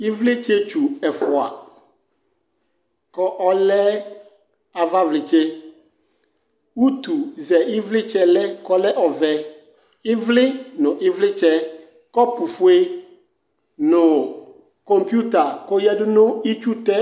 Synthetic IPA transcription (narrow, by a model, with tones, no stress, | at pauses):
ɪ˦vlɪ˦t͡ʃe˦t͡ʃu˨ɛ˨fʊ˨a˨ | kɔ˦ʔɔ˦lɛ˦ | a˨va˦vlɪ˨t͡ʃɛ˦ | wu˦t̪u˨zɛ˨ɪ˦vlɪ˦t͡ʃɛ˦lɛ˦kɔ˦lɛ˦ʔɔ˨vɛ˨ | ɪ˦vlɪ˦nʊ̃˨ʔɪ˦vlɪ˦t͡ʃɛ˦ | kɔ˦pu˨fu˦e˦ | nʊ̃˨ | kɔ˦mpju˦t̪a˨ko˦jɛ˦dʊ˦nʊ̃˦i˦t͡ʃu˦t̪ɛ˦